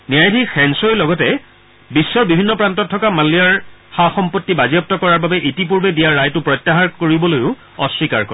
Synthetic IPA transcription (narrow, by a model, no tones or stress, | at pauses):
nijajdʱixɛnsojlɔɡɔtɛ | bisːɔɹbibʱinːɔpɹantɔtʰːɔkamalijaɹxaxɔmpotːibazijɔp̚tɔkɔɹaɹbabɛʔitip̬uɹbɛdijaɹːajtʊpɹɔjtːaɦaɹkoɹibɔlojʊ | ɔswikaɹkɔ̰ɹ